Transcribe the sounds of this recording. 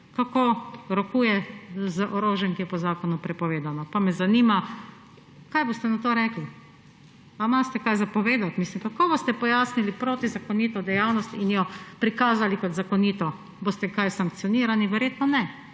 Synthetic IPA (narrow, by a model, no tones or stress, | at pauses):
kakoːɾɔkuːjɛzəʔɔɾoːʒɛŋkijɛpɔzaːkɔnupɾɛpɔʋeːd̪anɔpamɛzaniːma | kajboːst̪ɛnat̪oːɾɛkli | amast̪ɛkajzapɔʋeːd̪at̪miːslimkakoːbost̪ɛpɔjaːsnilipɾoːt̪izakɔniːt̪ɔd̪ɛjawnɔst̪injɔpɾikaːzalikɔt̪zakɔniːt̪ɔ | boːst̪ɛkajsaŋk̚t̪siɔniːɾaniʋɛɾjeːt̪nɔnɛ